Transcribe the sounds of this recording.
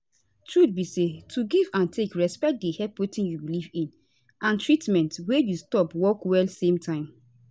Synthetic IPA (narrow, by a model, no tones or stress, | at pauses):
tɹutbisetʰuɡivãntʰekɹɛspɛk̚dehɛpotĩnjubilivĩn | ʔãntɹitmɛ̃ntwejustɔpwɔkwɛlsẽmtʰãɪ̃m